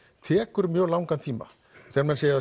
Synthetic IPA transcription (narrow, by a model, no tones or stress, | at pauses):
t̪ʰɛːkʏɾmjœːɣlawŋkant̪ʰiːma̰ | θɛnmɛnseːja